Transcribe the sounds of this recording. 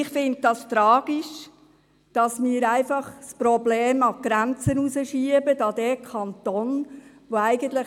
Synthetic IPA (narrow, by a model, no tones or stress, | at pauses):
ɪχfɪnt̚d̥ɑst̪ɾɑːɡ̥iʃ | d̥ɑsmɪːəɾæɪfɑχspɾɔbleːmɑɡ̥ɾænt͡sənusəʃiəbədɑd̥ɛkʰɑnt̪ɔn | ʋoæɪɡ̥ənt̪lə